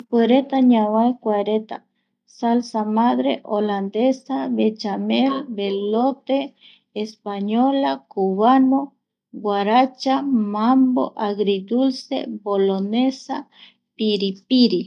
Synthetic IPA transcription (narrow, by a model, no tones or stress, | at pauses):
kʷeɾet̪aɲãwaekʷaɾet̪a̰ | salsamaðɾeʔoland̪esaβet͡ʃamelbelot̪eː | spaɲolakuβano | ɡwaɾat͡ʃamambo̰ʔaɣɾid̪ulsḛbolonesa | piɾipiɾi